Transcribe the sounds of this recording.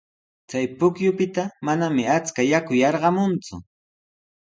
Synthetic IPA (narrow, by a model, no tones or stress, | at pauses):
t͡sajpʊkjʊpɪt̪amanamɪat͡skajakʊjɑɾɢɑmʊnt͡sʊ̰